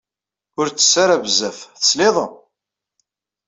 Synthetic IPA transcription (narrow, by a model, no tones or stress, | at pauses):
ʊɾt͡sːə̥sːaɾævzæfθə̥sleðˤə